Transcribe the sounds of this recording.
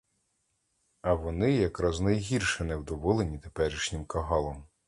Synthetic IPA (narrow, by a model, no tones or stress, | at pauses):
ɐʋɔnɪjɐkɾɐznɐjɦʲirʃɛnɛwd̪ɔʋɔlˠenʲit̪epɛɾʲiʃnʲɪmkɐɦɑlˠɔm